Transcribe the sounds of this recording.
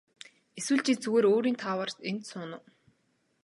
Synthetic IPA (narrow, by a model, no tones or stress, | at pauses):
eswɘ̆ɮt͡ɕiːnt͡suɣeːɾoːɾiːnt̪ʰawərent̪sʊːnʊː